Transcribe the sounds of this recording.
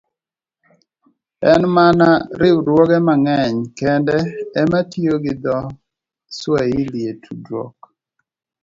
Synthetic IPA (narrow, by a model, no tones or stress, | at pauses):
ɛnmanaɾɪwɾwɔɡɛmaŋɛɲkɛndɛːmatjoɡɪd̪ɔ | swailjetʰudɾɔ̰k